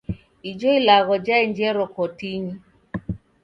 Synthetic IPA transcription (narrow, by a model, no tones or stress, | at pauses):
id͡ʒɔilaɣɔd͡ʒaɛnd͡ʒɛɾɔkɔtiɲi